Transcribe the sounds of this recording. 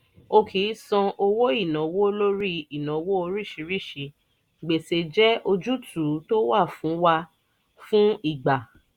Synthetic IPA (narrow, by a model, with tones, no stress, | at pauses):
o˧kʰi˨˦sɔ̃˧ʔo˧wo˦i˦˨nã˨˦wo˦lo˦ɾi˦i˨nã˨˦wo˦o˧ɾi˦˨ʃi˨˧˦ɾi˦˨ʃi˨˧˦ | ɡ͡be˨se˨d͡ʒɛ˦ʔo˧d͡ʒu˦tʰu˨˦to˦wa˦˨fũ˨˦wa˧ | fũ˦i˦˨ɡ͡ba˨